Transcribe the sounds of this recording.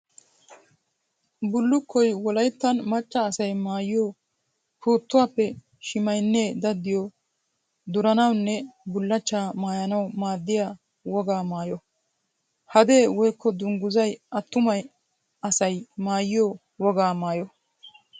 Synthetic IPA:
bʊlːʊkʰːɔjwɔlɐjt̪ːɐnmɐt͡ʃːɐːsɐjmaːjɪjo | pʰuːt̪ːʊwaːpːɛ | ʃɪmɐjnːeːd̪ɐd̪ːɪjo | d̪ʊɾɐnɐwnːɛbʊlːɐt͡ʃːaːmaːjɐnɐwmaːd̪ːɪja | wɔɡaːmaːjɔ | hɐd̪e̞ːwɔjkʰːɔd̪ʊŋɡʊzɐjɐt̪ːʊmɐj | ɐsɐjmaːjɪjo | wɔɡaːmaːjɔ

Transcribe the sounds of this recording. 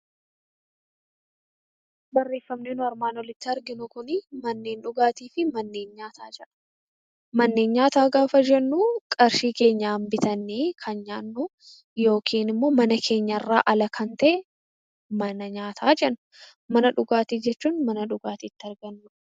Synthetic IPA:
bɐrːe̞ːfːɐmneːnʊɐɾmaːnwɔlɪt̪ːɪɐɾɡɪnʊkʊnɪmɐnːe̞ːnᶑʊɡaːt̪iːfɪmɐnːe̞ːnɲaːt̪ʰaːd͡ʒɛᶑɐ̥ | mɐnːe̞ːnɲaːt̪aːɡaːfɐd͡ʒɛnːukʼɐɾʃiːke̞ːɲːaːmbɪt̪ɐnːeːkʰɐnɲaːnːʊ | jo̞ːkʰiːnɪmːo̞ːmɐnɐkʰe̞ːɲːɐɪrːa̰ːʔɐlɐkʰɐnt̪ɐʔɛ | mɐnɐɲaːt̪ʰaːd͡ʒɛnːʊ̥ | mɐnɐᶑʊɡaːt̪iːd͡ʒɛt͡ʃːuːnmɐnɐᶑʊɡaːt̪iːt̪ːɪɐɾɡɐnːʊ̥

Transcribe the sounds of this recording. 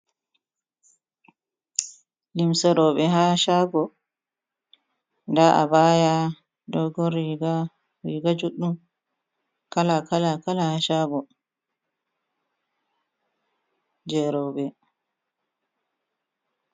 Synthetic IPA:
limsɛɾɔɓɛɦaʃaɡɔ | ndaʔa̰baja | dɔɡɔɾiɡa | ɾḭɡad͡ʒuɗːum | kalakalakalahaʃaɡɔ | d͡ʒɛɾɔɓɛ

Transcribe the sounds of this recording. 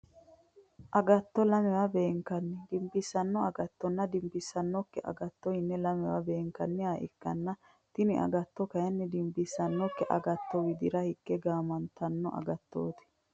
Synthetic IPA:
ʔɐɡɐt̪ːɔlɐmɛwabeːŋkɐnːɪd̪ɪmbɪsːɐnːɔɐɡɐt̪ːɔnːɐd̪ɪmbɪsːɐnːɔkːɛʔɐ̰ɡɐt̪ːɔhɪnːɛlɐmɛwa̰be̞ːŋkɐnːɪaːʔɪ̰kːɐnːɐ | t̪ɪnɪʔɐ̰ɡɐt̪ːɔkɐjɐnːɛd̪ɪmbɪsːɐnːɔkːɛʔɐɡɐt̪ːɔwɪd̪ɪɾɐhɪkːɛɡaːmɐnt̪ɐnːɔʔɐ̰ɡɐt̪ːo̰ːt̪ɪ̥

